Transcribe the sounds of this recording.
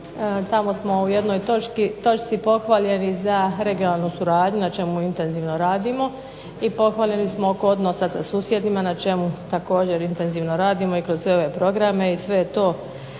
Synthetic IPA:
t̪amo̞smo̞uje̞d̪no̞jt̪ot͡ʃkit̪o̞t͡ʃt̪sipo̞xʋaʎe̞nizaɾe̞ɡijonaːlˠnusuɾaːd̪ɲunat͡ʃe̞muint̪e̞nziːʋnoɾaːd̪imo̞ | ipo̞xʋaːlʎe̞nismooko̞od̪no̞ːsasasuːsje̞d̪nimanat͡ʃe̞mut̪ako̞ːd͡ʑe̞ɾint̪e̞nziːʋnoɾaːd̪imo̞ikɾozsʋe̞o̞ʋe̞pɾo̞ɡɾame̞isʋe̞jet̪o̞ː

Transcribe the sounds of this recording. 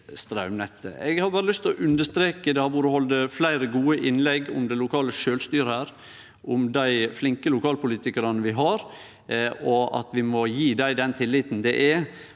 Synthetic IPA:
st̪ɾɑʉmnɛt̪ːə̰ɛ̰ɡhɑɾbɑːɾəlʏst̪ʰlɔʔʉnd̪əʂt̪ɾeːkəd̪ɛhɑɾbuːɾəhɔld̪əflæɪɾəɡuːəʔɪnlɛɡʊ̰md̪ɛɪlʊkʰɑːləʂøːlst̪yːɾəhæːɾ | ʔʊmd̪æɪflɪŋkəlʊkʰɑːlpʰʊliːt̪ɪkɑɾɑnəʋɪɦɑɾ | ɔʔɑ̰t̪ʋɪmɔjiːd̪æɪd̪ɛnt̪ʰɪlːɪt̪nd̪ɛʔɛ

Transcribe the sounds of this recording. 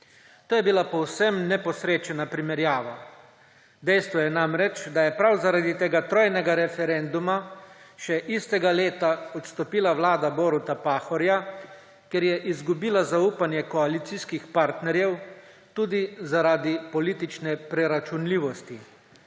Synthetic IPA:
t̪oːjɛbilapɔwsɛmnɛpɔsɾeːt͡ʃɛnapɾimɛɾjaːʋa | d̪ɛjst̪ʋɔjɛnamɾɛt͡ʃd̪ajɛpɾawzaɾaːd̪it̪eːɡat̪ɾoːjnɛɡaɾɛfɛɾɛnd̪umaʃɛʔist̪ɛɡaleːt̪aɔt̪st̪ɔpiːlawlaːd̪abɔːɾut̪apaːxɔɾja | keɾjɛʔizɡubiːlazauːpanjɛkɔalit̪siskixpaɾt̪nɛɾjɛw | t̪uːd̪izaɾaːd̪ipɔliːt̪it͡ʃnɛpɾɛɾat͡ʃunliːʋɔst̪i

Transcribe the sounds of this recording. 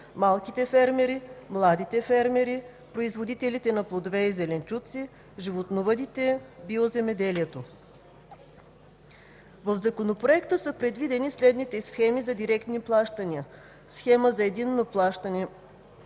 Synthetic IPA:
malˠkit̪ɛfɛɾmɛɾimlˠad̪it̪ɛfɛɾmɛɾi | pɾoizvod̪it̪ɛlit̪ɛnɐplˠod̪ovɛizɛlɛnt͡ʃut̪si | ʒivot̪novəd̪it̪ɛbiozɛmɛd̪ɛliɛt̪o | vəvzɐkonopɾoɛkt̪əsəpɾɛd̪vid̪ɛnislɛd̪nit̪ɛsxɛmizɐd̪iɾɛkt̪niplˠaʃt̪ɐniə | sxɛməzɐɛd̪inːoplˠaʃt̪ɐnɛ

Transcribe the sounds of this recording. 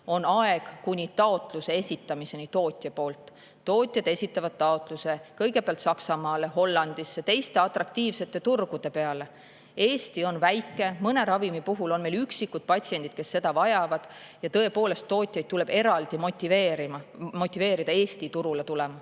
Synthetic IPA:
o̞nɑeɡ̥kunʲit̪ɑo̞t̪ˑluse̞esʲit̪ːˑɑmise̞nit̪o̞ːt̪ʲˑjɑpo̞ːlt̪ː | o̞ːt̪ʲˑjɑd̪̥e̞sʲit̪ːˑɑvɑd̪̥̚t̪ːɑo̞t̪ˑluse̞kɤjɡ̥e̞peɑlt̪sɑksɑmɑːle̞ɦo̞lːɑnd̪̥isːet̪e̞jst̪e̞ɑt̪ˑrɑk̚t̪iːvse̞t̪ːˑe̞t̪urɡ̥ud̪̥e̞pe̞ɑle̞ | e̞ːsʲt̪io̞nvæjkːˑe̞mɤne̞ɾɑvimipuɦulo̞nme̞lyksikːud̪̥̚pɑtʲsie̞nʲd̪̥id̪̥̚ke̞sːe̞d̪̥ɑvɑjɑvɑd̪̥jɑt̪ɤe̞po̞ːle̞st̪ːo̞ːt̪ʲːˑjɑjd̪t̪ule̞b̥e̞ɾɑld̪̥imot̪ʲːiveːɾimɑmo̞t̪ʲːˑive̞ːɾid̪̥ɑe̞ːst̪it̪uɾulet̪ulemɑ

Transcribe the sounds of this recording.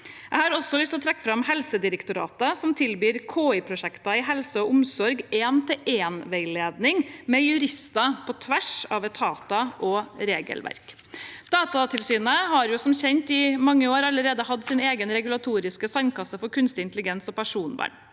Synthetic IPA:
ʔæɪhɑɾɔsɔlʏst̪ɔt̪ʰɾɛkːfɾɑmhɛlsəd̪ɪɾəkt̪ʊɾɑ̰ːt̪əsɔmt̪ʰɪlbyːɾkʰoːɪpʰɾʊʂɛkt̪ɑɪɦɛlsəɔʊmsɔɾɡeːnt̪ʰɪlʔeːnʋeɪleːd̪nɪŋmɛjʉɾɪst̪ɑpʰɔt̪ʰʋæʂɑ̰ːʋɛt̪ʰɑːt̪ɑʔɔɾeːɡə̰lʋæ̰ɾk | d̪̥ɑːt̪ɑt̪ʰɪlsyːnəhɑɾjʊsɔmçɛnt̪ɪmɑŋːəoːɾɑləɾeːd̪əhɑd̪siːneːɡənɾɛɡʉlɑt̪ʰuːɾɪskəsɑnkɑsəfɔɾkʰʉnst̪ɪɪnt̪əlɪɡɛnsɔpæʂuːnbɑ̰ːɳ

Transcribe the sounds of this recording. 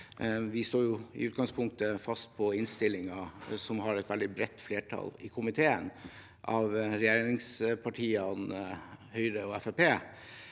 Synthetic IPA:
ʋɪst̪oːɾjʊɪ̰ʉːt̪̚ɡɑŋspʰʊŋk̚t̪əfɑst̪̚pʰɔɪnst̪ɪlɪŋɑsɔmɦɑɾɛt̪ʋɛld̪ɪbɾɛt̪ːfleːʈʰɑ̰lɪkʰʊmɪt̪ʰeːən | ʔɑʋɾɛjeːɾɾɪŋspʰɑʈʰiːɑnhœʏɾəɔɛfɛpeː

